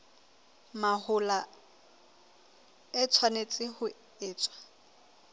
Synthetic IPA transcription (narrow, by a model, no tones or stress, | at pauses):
mahʊla | ɛt͡sʰwanet͡sʼɪhʊ | ɪːt͡sʼwḁ